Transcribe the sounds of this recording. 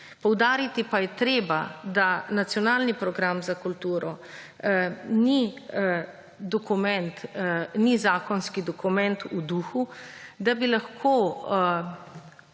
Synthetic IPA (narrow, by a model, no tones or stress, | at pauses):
pɔwd̪aːɾit̪ipajɛt̪ɾeːbad̪anat̪sjɔnaːlnipɾɔɡɾamzakult̪uːɾɔ | ni | d̪ɔkumɛnt̪nizaːkɔnskid̪ɔkumɛnt̪ud̪uxud̪abilaxkʰoː